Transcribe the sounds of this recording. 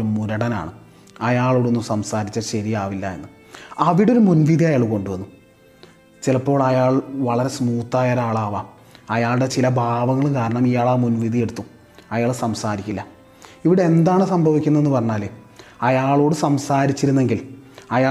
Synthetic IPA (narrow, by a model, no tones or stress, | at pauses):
ɾumuɾɐɽɐna̰ːɳɨ | ɐjaːɭoːɽuonːumsɐmsaːɾit͡ɕːɐɕɐɾijaːʋilːɐ̰enːɨ | ɐʋiɽeo̞ɾumunʋid̪ʱijɐjaːɭko̞ɳɖuʋɐnːu | t͡ɕilɐpːo̞ːɭɐjaːɭʋɐɭɐɾe̞smuːt̪ːaːjɐɾaːɭaːʋɐ | ɐjaːɭɽe̞t͡ɕilɐbʱaːʋɐŋːɐɭkaːɾɐɳɐmijaːɭaːmunʋid̪ije̞ɽut̪ːu | ɐjaːɭsɐmsaːɾikʲːilːɐ | iʋiɽeend̪aːɳɨsɐmbʱɐʋikʲːunːɐenːɨpɐrɐɲːaːleɐjaːɭo̞ːɽɨsɐmsaːɾit͡ɕːiɾunːe̞ŋɡilɐjaː